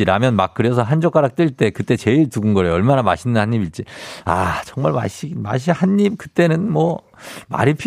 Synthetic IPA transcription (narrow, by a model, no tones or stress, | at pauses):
iɾamjʌnmak̚k͈ɯɾes̬ʰʌɦand͡ʑʌk͈aɾak̚t͈ɯɭt͈e̞kɯt͈e̞t͡ɕe̞iɭtuɡɯnɡʌɾeʌɭmanama̰ɕʰinːɯnhaɲɲibit͡ɕ͈iat͡ɕʌŋmaɭma̰ɕima̰ɕ̬ʰihanɲib̚kɯt͈e̞nɯnmwʌ | ma̰ɾipʰ